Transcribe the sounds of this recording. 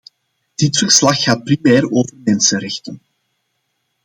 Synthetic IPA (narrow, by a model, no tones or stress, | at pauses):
d̥ɪtfərslɑxːaːt̚primɛːroːvərmɛnsənɾɛxtən